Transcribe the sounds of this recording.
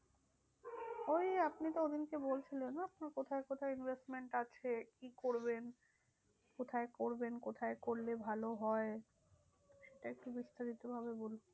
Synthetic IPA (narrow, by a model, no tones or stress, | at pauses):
ojapnit̪ood̪inkebolt͡ɕʰilenap̚nakot̪ʰaekot̪ʰaeinbʱesʈmeɳʈat͡ɕʰekikoɾben | kot̪ʰaekoɾbenkot̪ʰaekoɾlebʱaloɦɔe | ʃeʈaek̚ʈubist̪aɾit̪obʱaβebolo